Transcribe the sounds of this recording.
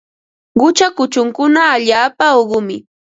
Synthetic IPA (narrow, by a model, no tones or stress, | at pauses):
ɢʊt͡ʃakʊt͡ʃʊŋkʊnaːʎaːpaoɢʊmɪ